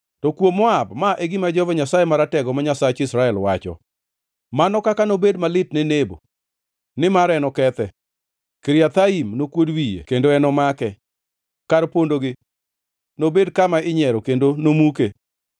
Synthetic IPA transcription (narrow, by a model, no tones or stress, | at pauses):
tɔkwomɔabmaʔeɡɪmad͡ʒɔvɔɲasajemaɾatɛɡɔmaɲasat͡ʃɪsɾaɛlwat͡ʃɔ̰ | manɔkakanobedmalɪtnɪnebo̰ | nɪmaɾɛnɔkɛt̪ɛ | keɾiat̪aimnokwodwijḛkendoɛnɔmakɛ | kaɾpondoɡɪ | nobedkamaɪɲɛɾɔkendonomuke